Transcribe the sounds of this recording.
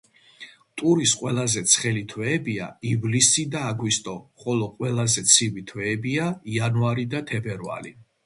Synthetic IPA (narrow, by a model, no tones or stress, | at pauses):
t̪ʼuɾisqʼwɛlˠazɛt̪sʰχɛlit̪ʰwɛːbia̰ivlisid̪aːɡwist̪ʼɔχɔlɔqʼwɛlˠazɛt̪sʰivit̪ʰwɛːbiaianuaɾid̪at̪ʰɛbɛɾva̰ɾḭ